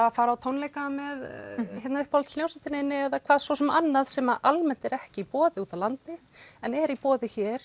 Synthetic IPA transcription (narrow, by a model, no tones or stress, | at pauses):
afaːɾaawt̪ʰownlejkamɛðçjɛt̪naʏhpɔlʰlnjowsat̪ɪnɪɪnːɪɛðakʰvaːðsvɔsɛmanːaðsɛːmaʔalmɛnt̪ɛɾɛhcɪipɔːðɪuːt̪avlant̪ɪ | ɛnɛɾipɔːðɪçɛɾ̥